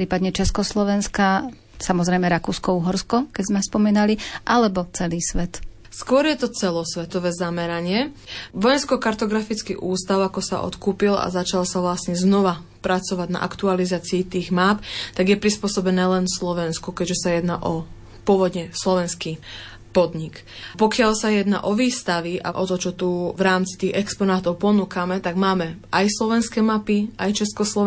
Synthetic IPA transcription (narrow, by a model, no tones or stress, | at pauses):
ɾiːpad̪ɲɛt͡ʃɛskɔslɔʋɛnska | samɔzɾɛjmɛɾakuːskɔuɦɔɾskɔkɛɟzmɛspɔmiːnaliʔalɛbɔt͡sɛliːsʋɛt̪ | skʊɔɾjɛt̪ɔt͡sɛlɔsʋɛt̪ɔʋɛːzamɛɾaɲɪɛʋɔjɛnskɔkaɾt̪ɔɡɾafit͡skḭʔuːst̪aʊakɔsa̰ʔɔ̰t̪kuːpila̰zat͡ʃalsaʋlasɲɛznɔʋa | pɾat͡sɔʋaɟna̰ʔa̰kt̪ualizaːt͡siːt̪iːɣmaːpt̪aɡjɛpɾispʊɔsɔbɛnɛːlɛnslɔʋɛnskukɛʒɛsajɛd̪naːʔɔ | pʊɔʋɔd̪ɲɛslɔʋɛnski | pɔd̪ɲik | pɔkɪalsajɛd̪na̰ʔɔʋiːst̪aʋiʔa̰ʔɔt̪ɔt͡ʃɔt̪uvɾaːmt͡si̥t̪iːɣɛkspɔnaːt̪ɔʊpɔnuːkamɛt̪aɡmaːmɛajslɔʋɛnskɛːmapiʔajt͡ʃɛskɔslɔ